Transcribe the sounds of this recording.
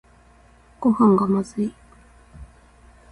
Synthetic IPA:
kuhaŋɡamazi

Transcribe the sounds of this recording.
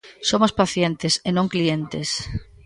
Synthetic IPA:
somospaθjent̪esenõŋklient̪es

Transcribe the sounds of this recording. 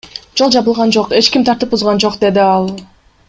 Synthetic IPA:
d͡ʒo̞lˠd͡ʒɑβɯlˠʁɑnd͡ʒo̞qe̞t͡ʃkʲimt̪ʰɑɾt̪ɯp̚uzʁɑnd͡ʒo̞qd̪e̞d̪iɑlˠ

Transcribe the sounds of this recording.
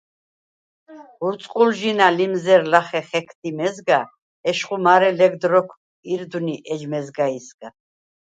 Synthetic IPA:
uɾt̪sʼqʼulʒinalimzɛɾlaχɛχɛkʰt̪ʰimɛzɡa | ɛʃχʼumaɾɛlɛɡ̚d̪ɾɔkʰ | iɾd̪uniʔɛʒmɛzɡaisɡ̥a

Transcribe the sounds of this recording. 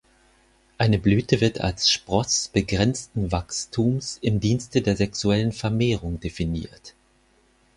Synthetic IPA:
ʔaɪnəblyːtəvɪɐtʰa̰lsʃpʁ̥ɔsb̥əɡʁɛnt͡stn̩vakstʰuːmsɪmdiːnstədeːɐzɛksuɛlənfɛɐmeːʁʊŋdefinḭːɐt

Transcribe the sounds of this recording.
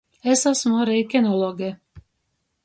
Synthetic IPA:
esasmaɾɛjkʲɛnɔlˠɔɡɛ

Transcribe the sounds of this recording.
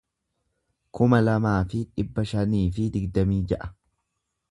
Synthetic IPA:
kʊmɐlɐmaːfɪᶑɪbːɐʃɐniːfɪd̪ɪɡd̪ɐmiːd͡ʒɐʔɐ̥

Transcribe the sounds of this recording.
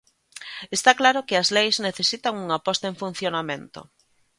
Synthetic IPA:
est̪aklaɾokɪazlejzneθesit̪aŋuŋapɔst̪aeɱfun̟θjonamẽnt̪o̰

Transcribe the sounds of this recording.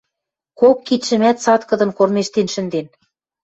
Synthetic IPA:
kokːit̪ʃɘ̆mæt̪sɑt̪kɤ̆d̪ɤ̆nkormeʃt̪enʃɘ̆nd̪en

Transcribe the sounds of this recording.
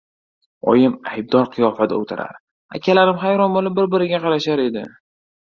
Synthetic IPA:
ɒ̰jɪmajb̚d̪ɒɾqʰɨjɒfad̪a̰ot̪ʰaɾa̰ɾ | a̰kʲʰalaɾɪmχajɾɒnbolɪp̚bɪɾ̚bɪɾɪɡʲaqʰɑɾaʃaɾe̞d̪ɪ̰

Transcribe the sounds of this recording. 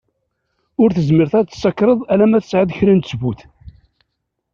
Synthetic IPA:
ʊɾθəzməɾθæt͡s̪ːsːɑkːɾˤəðˤælæmæθə̥sʕəðəçɾint̪svuθ

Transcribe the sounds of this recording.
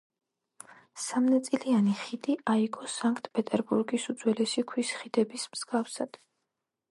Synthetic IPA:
samnat̪sʼilianiχid̪iʔaikʼɔsaŋkʰt̪ʰpʼɛt̪ʼɛɾbuɾɡisud̪zwɛlɛsikʰwisχid̪ɛbismz̥ɡafsad̪̥

